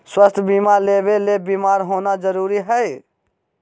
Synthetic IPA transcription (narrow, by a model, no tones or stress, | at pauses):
swəst̪ʰbimaːɾlebelebimaːɾɦoːnad͡ʒəɾuːɾiɦəɪ